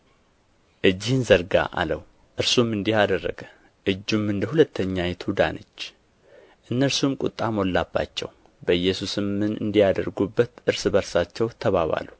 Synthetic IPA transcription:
ʔɨd͡ʒːɪhɨnzəɾɡa̰ʔa̰ləw | ʔɨɾsumɨnd̪ihad̪ərːə̰ɡə | ʔɨd͡ʒːumɨnd̪əhulət̪ʰːəɲːajɛt̪ʰud̪a̰nət͡ʃː | ʔɨnːəɾsumkʼʊt̪ʼːamo̞lːabːa̰t͡ʃːɛ̰w | bəɨjːɛsusɨmːɨnɨ̰nd̪ijad̪əɾɡubːət̪ʔɨɾsbəɾsat͡ʃːɛwt̪ʰəβaβa̰lu

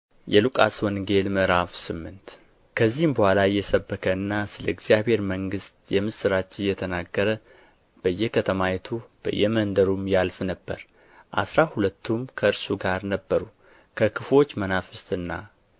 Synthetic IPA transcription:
jɛlukʼa̰swɔnɡe̞lmɨʔɾafsɨmːɨnt̪ | kʰəzːihɨmbəhʷalajːɛsəbːəkʰəɨnːasɨləɪɡzijabhe̞ɾməŋɡɨst̪jɛmɨsɨɾat͡ʃːɪnjɛt̪ʰənaɡːəɾə | b̥əjːɛkʰət̪ʰəmajɛt̪ʰub̥ə̰jːɛmənd̪əɾumjalfnəbːə̰ɾ | ʔa̰sɾahulət̪ːumkʰəɨɾsuɡaɾnəbːəɾu | kʰəkʰɨfo̞t͡ʃːmənafɨst̪ɨnːa

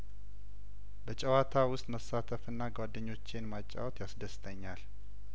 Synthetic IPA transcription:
bət͡ʃʼɛwat̪ʰawʊst̪ʼməsːat̪ʰəfɨnːaɡwad̪ːəɲːo̞t͡ʃːenmat͡ʃʼːa̰wt̪jasd̪əst̪ʰəɲːal

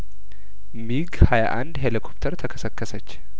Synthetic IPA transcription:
miɡhajaʔand̪ɦelikʰop̚t̪ʰəɾt̪ʰəkʰə̥səkːəsət͡ʃː

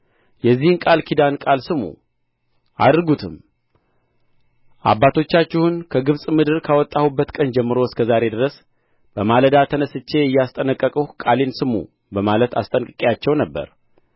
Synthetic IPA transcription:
jɛzːihɨnkʼalkʰid̪ankʼalsɨmṵ | ʔa̰d̪ɾɡut̪ʰɨm | ʔa̰bːat̪ʰo̞t͡ʃːat͡ʃːɪhunkʰəɡɨβsʼmɨd̪ɨɾkʰawɔt̪ʼːahubːət̪kʼənd͡ʒɛmːɨɾo̞skʰəzaɾe̞d̪ɨɾəs | b̥əmaləd̪at̪ʰənəsɨt͡ʃːe̞ɪjːast̪ʼənəkʼːəkʼuhkʼalensɨmṵ | bəmalət̪ʰa̰st̪ʼənkʼɨkʼjat͡ʃːɛwnəbːə̰ɾ

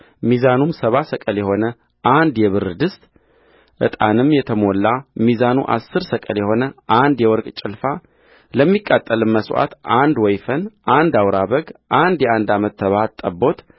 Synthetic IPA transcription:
mizanumsəβasəkʼəljɛho̞nə | ʔand̪jɛβɨɾɨd̪ɨst̪ʼ | ʔɨ̰t̪ʼa̰nɨmjɛt̪ʰəmo̞lːamizanṵʔa̰sːɨɾsəkʼə̰ljɛho̞nəʔand̪jɛwɔɾkʼt͡ʃʼɪlfa | ləmːikʼːat̪ʼːəlɨmməsʔa̰t̪ʔand̪wɔjfənʔand̪awɾaβəɡʔand̪jɛand̪amət̪ʰːəβat̪ʼːəbo̞t̪

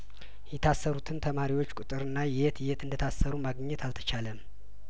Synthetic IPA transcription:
jɛt̪ʰasːəɾut̪ʰɨnt̪ʰəmaɾiwo̞t͡ʃːkʷʼut̪ʼɨɾɨnːajet̪jet̪ɨnd̪ət̪ʰasːəɾumaɡɲːɛt̪ʰalt̪ʰə̥t͡ʃaləm

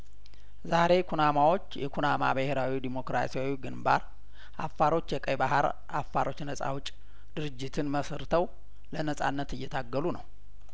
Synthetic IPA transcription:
zaɾe̞kʰunamawo̞t͡ʃːjɛkʰunama̰bəheɾawid̪imo̞kɾa̰sijawiɡɨnba̰ɾ | ʔafːaɾo̞t͡ʃːjɛkʼəjbaɦaɾ | a̰fːaɾo̞t͡ʃːnəsʼa̰wʊt͡ʃʼ | d̪̥ɨɾɨd͡ʒːɪt̪ʰɨnməsɨɾt̪ʰəw | lənəsʼa̰nːət̪ɨjːɛt̪ʰaɡːəlunəw

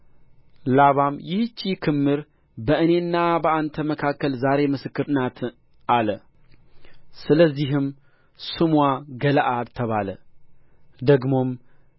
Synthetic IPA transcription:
laβamjɪht͡ʃːikʰɨmːɨɾ | bəɨne̞nːabəant̪ʰəməkʰakːəlzaɾe̞mɨsɨkːɨɾnat̪ʰ | ʔalə | sɨləzːiɦɨm | sɨmwaɡəlʔalt̪ʰəβalə | d̪əɡmo̞m

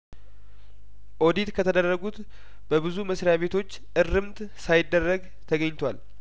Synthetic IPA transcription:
ʔo̞d̪it̪kʰət̪ʰəd̪ərːəɡut̪ | b̥əbɨzuməsɾjaβe̞t̪ʰo̞t͡ʃːʔɨrːɨmt̪ | sajɪd̪ːərːəɡ | t̪ʰəɡəɲːt̪ʰwal

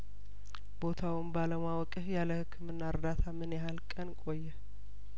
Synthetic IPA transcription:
bo̞t̪ʰawɪmbaləmawɔkʼɨhjaləhɨkʰːɨmɨnːaɨɾd̪at̪ʰamɨnjɛɦalkʼənkʼo̞jːɛ

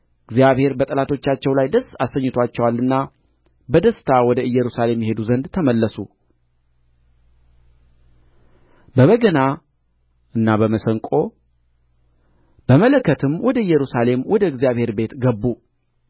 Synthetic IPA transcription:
ɨɡzijaβhe̞ɾbət̪ʼəlat̪ʰo̞t͡ʃːat͡ʃːɛwlajd̪əsːasəɲːɪt̪ʰat͡ʃːɛwalːɨnːa | bəd̪əst̪ʰawɔd̪əɨjːɛɾusale̞mjɛɦe̞d̪uzənd̪t̪ʰəməlːəsu | bəβəɡəna | ɨnːabəməsəŋkʼo̞ | b̥əmələkːət̪ʰɨmwɔd̪əɨjːɛɾusale̞mwɔd̪əɨɡzijaβhe̞ɾbe̞t̪ɡəbːu

